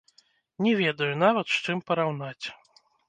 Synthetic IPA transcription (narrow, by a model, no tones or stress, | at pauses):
nʲɛvʲɛd̪ɐjunavɐt̪ʂt͡ʂɨmpɐɾawnat͡sʲ